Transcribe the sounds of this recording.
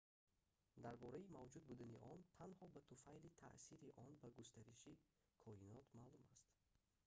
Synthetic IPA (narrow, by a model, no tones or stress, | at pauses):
d̪aɾbɔɾaimavd͡ʒud̪̚bud̪aniʔɔnt̪ʰanhɔbat̪ʰufajlit̪ʰa̰ʔsiɾiʔɔnbaɡust̪aɾiʃi | kʰɔinɔt̪maːlumast̪